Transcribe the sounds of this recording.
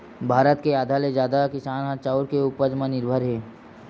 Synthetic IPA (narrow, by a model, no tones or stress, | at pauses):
bʱaːɾət̪keaːd̪ʱaled͡ʒjaːd̪akɪsaːnɦat͡ʃaːʊɾkeʊpəd͡ʒmanɪɾbʱəɾɦeː